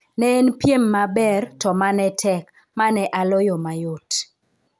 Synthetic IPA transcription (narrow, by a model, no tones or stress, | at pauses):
nɛːnpjemːabɛrtɔmanɛtʰɛk | manɛʔalɔjɔmajot